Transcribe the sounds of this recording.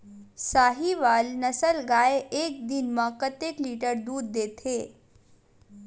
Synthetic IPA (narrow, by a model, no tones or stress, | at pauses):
saɦiʋalnəsəlɡajeek̚d̪inmakət̪ekliʈəɾd̪uːd̪ːet̪ʰe